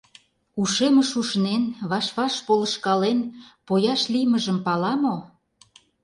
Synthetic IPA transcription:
uʃeməʃuʃnenβɑʃβɑʃpoləʃkɑlenpojɑʃlijməʒəmpɑlɑmo

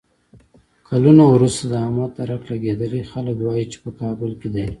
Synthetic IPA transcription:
kʰalunowɾust̪ad̪əɑmɑt̪aɾaflaɡed̪əlixaləkwɑjit͡ʃe̥pəkɑːbʊlked̪ej

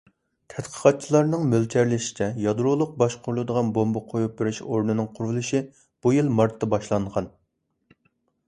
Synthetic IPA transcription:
t̪ʰɛt̪qʰə̥qʰɑt̪̚t͡ʃʰilˠɑɾnɨŋmølt͡ʃ̪ʰɛɾlɪʃi̥t͡ʃʰɛjɑd̪ɾolˠʊq̚bɑʃqʰʊɾlˠɨd̪əʁɑnbombɑqʰojup̚bɪɾɪʃoɾnɨnɨŋqʰʊɾvulˠɨʃi | b̥ujilˠmɑɾt̪ʰːɑbɑʃlˠɑɴʁɑn

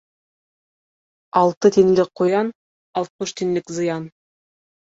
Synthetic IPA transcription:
ɑlˠt̪ɤt̪iŋlɘk̚qːujɑn | ɑlˠt̪̚mɤʃt̪iŋlɘkzɤ̆jɑn

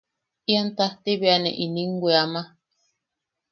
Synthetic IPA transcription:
iant̪aht̪iβianḛʔiniŋɡʷeama

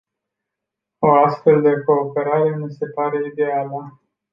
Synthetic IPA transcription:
o̞ast̪fe̞ld̪eko̞ːpe̞ɾaɾe̞mise̞paɾe̞id̪e̞alə

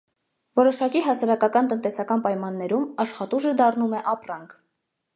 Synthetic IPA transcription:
vɔɾɔʃɑkiɦɑsɑɾɑkɑkɑnt̪ənt̪ɛsɑkɑnpɑjmɑnːɛɾumɑʃχɑt̪uʒəd̪ɑrnumɛʔɑprɑŋkʰ

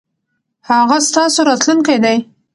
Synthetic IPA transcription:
haɣast̪ɑsoɾɑt̪lunkajd̪aj

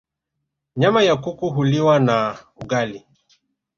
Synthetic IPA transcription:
ɲamajakukuɦuliwana | uɡali

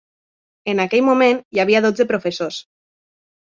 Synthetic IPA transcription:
enakɛʎmumẽnjaβ̞iaðod͡zepɾofesos

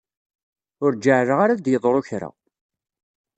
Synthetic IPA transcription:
ʊɾd͡ʒːaʕɾəʁaɾad̪jəðˤɾˤoçɾa̰

